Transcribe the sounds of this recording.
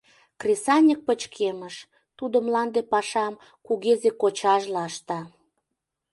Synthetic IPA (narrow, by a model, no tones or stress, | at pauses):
krʲesɑnʲək̚pət͡ɕkʰeməʃ | t̪ud̪ə̆mlɑnd̪epɑʃɑm | kuɣezekot͡ɕɑʒlɑʃt̪ɑ